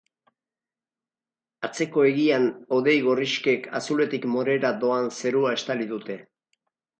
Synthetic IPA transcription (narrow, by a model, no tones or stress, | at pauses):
at͡se̞ko̞e̞ɣiano̞ðe̞jɣ̞o̞riʃke̞kʰa̰sule̞t̪ikmoɾe̞ɾad̪o̞anse̞ɾuae̞st̪aliðut̪e̞